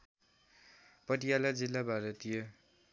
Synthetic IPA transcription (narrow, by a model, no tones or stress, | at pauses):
pʌʈijalad͡zilːabʱaɾʌt̪ijo